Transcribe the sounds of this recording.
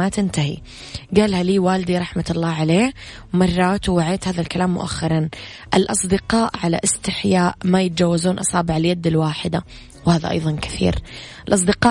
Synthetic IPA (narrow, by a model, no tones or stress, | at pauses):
at̪ɪnt̪ahḭ | ɡaːlhaliːwaːld̪iɾˤɑħmat̪ɑlˤːɑːʕaleː | wmɑrˤːɑːt̪wwaʕeːt̪haːðalkalaːmːʊ̰ʔa̰xːɑɾˤɑn | ʔɪlʔɑsˤd̪ɪqɑːʔʕala̰ʔɪst̪ɪħjaːʔmajɪt̪̚d͡ʒawːazuːnʔɑsˤɑːbɪʕaljad̪ːɪlwaːħɪd̪a | whaːða̰ʔɑ̰jðˤɑnkɪ̥θḭːɾɪlʔɑsˤd̪ɪqɑː